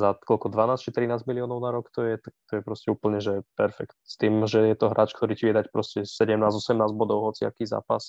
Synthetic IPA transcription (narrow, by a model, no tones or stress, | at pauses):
zakɔlkɔd̪ʋanaːst͡ʃit̪ɾinaːzmiliɔːnɔʊnaɾɔkt̪ɔjɛt̪ak̚t̪ɔjɛpɾɔscɛuːpl̩ɲɛʒɛpɛɾfɛ̰kt̪st̪iːmʒɛjɛt̪ɔɦɾaːt͡ʃkt̪ɔɾiːciʋɪɛd̪acpɾɔscɛsɛɟɛmnaːzɔsɛmnaːzɟbɔd̪ɔʊɦɔt͡sia̰kiːza̰ːpas